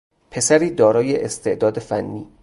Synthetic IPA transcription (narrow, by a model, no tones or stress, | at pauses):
pʰe̞sæɾiːd̪ɒːɾɒːjeʔest̪ʰe̞ʔd̪ɒːd̪efænːiː